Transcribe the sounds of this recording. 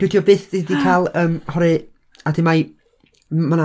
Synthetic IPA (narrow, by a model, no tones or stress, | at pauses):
wɪdjɔbɨːθdidikʰaːlˠəːmhɔɾɨ | adɪmaj | mana